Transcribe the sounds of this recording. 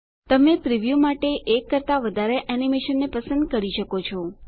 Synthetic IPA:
t̪əmepɾiʋjumaʈeʔekːəɾt̪aʋəd̪ʱaɾeʔɛnimeʃənːepəsə̃nd̪̚kəɾiʃəkot͡ʃʰɔ

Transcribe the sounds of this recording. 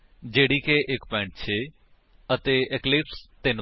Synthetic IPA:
d͡ʒeːɽiːkeːʔɪkpɛ̃ːɳʈ̚t͡ʃʰeː | ət̪eːɪklɪpst̪ɪn

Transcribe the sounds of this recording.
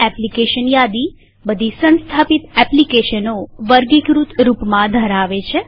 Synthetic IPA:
ɛplikeʃənjad̪i | bəd̪ʱisə̃nst̪ʰapit̪ɛplikeʃənoʋəɾɡikɾut̪ɾupmãd̪ʱəɾaʋet͡ʃʰe

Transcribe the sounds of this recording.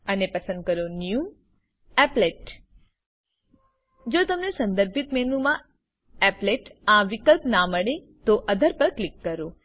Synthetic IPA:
ənepəsə̃nd̪̚kəɾonju | ɛpleʈ | d͡ʒot̪əmnesə̃nd̪əɾbʱit̪mɛnũmã | ɛpleʈãʋɪkəlpnaməɽe | t̪oʔəd̪ʱəɾpəɾklɪkːəɾũ

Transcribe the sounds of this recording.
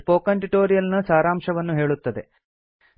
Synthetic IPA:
poːkɐɳʈiʈoːɾijɐlnɐsaːɾaːmʂɐʋɐnːuɦe̞ːɭut̪ːɐd̪e̞

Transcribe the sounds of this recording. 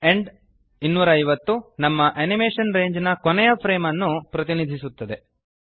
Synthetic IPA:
e̞ɳɖ | inːuːɾɐːjʋɐt̪ːunɐmːɐʔɐnimeːʂɐnɾe̞ːɲd͡ʒnɐkonɛjɐpʰɾeːmɐnːupɾɐt̪inid̪ʱisut̪ːɐd̪e̞

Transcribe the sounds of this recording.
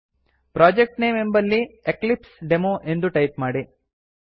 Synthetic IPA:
pɾaːd͡ʒek̚ʈneːmembɐlːieklipsɖemoːʔe̞nd̪uʈɐjp̚maːɽi

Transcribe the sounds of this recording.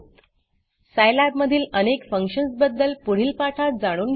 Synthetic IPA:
t̪ | sajlabməd̪ʱiːlənekfəŋkɕənsbəd̪ːəlpuɽ̤iːlpaʈʰat̪̚d͡zaɽ̃uːnɡ

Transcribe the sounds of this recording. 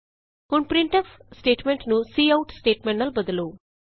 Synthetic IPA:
kuɳɖpɾiɳʈɐfsʈeːʈmeɳʈnusiːɐwʈsʈeːʈmeɳnɐlbɐd̪ɐloː

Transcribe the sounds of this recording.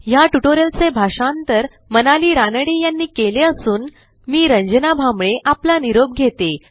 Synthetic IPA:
jaʈuʈoɾjəlt͡sebʱaʂãnt̪əɾ | mənaliːɾanəɽijanːiːkeleəsuːn | miːɾəɲd͡ʑənabʱamɭeʔaplaniɾob̚ɡʱet̪e

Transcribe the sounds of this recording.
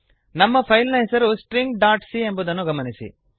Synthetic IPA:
nɐmːɐpʰɐjlnɐɦesɐɾusʈɾiŋɡɖaːɾʈsie̞mbud̪ɐnːuɡɐmɐnisḭ

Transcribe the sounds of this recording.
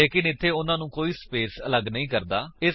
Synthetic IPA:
eːkɪnɪt̪ʰːeːʊnãːnũːkoːiːspeːsələɡnəɦĩːkəɾd̪aːɪ

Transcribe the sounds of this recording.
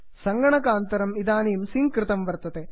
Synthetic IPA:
sɐŋɡɐɳɐkaːnt̪ɐɾɐmiðaːnejumsiŋkrɨt̪ɐmʋɐrt̪ːɐðe

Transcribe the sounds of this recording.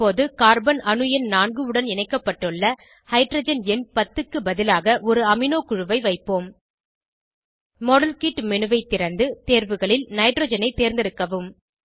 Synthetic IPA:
oːðɯkaːɾbɐnɐnɯjɐnnaːnɡɯɯɽɐnɛnɐɪkːɐpːɐʈːɯɭːɐ | hɐɪʈɾɐd͡ʒɐnɛnpɐt̪ːɯkːɯbɐðɪlaːɣɐʔɔɾɯɐmɪnoːkʊɻɯʋɐɪʋɐɪpːoːm | mɔɽɐlkiːʈmɛnɯʋɐɪt̪ːɪɾɐnd̪ɯt̪eːɾʋɯɣɐɭɪlnɐɪʈɾoːd͡ʒɐnɐɪt̪ːeːɾnd̪ɪɾɯkːɐʋɯm

